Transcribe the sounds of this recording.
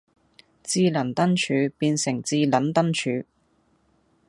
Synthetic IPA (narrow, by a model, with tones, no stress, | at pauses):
t͡siː˧lɐ˨˩nt̪ɐ˥nt͡ʃʰyː˨˧piː˧nsɪ˨˩ŋt͡siː˧lɐ˨˥nt̪ɐ˥nt͡ʃʰyː˨˧˥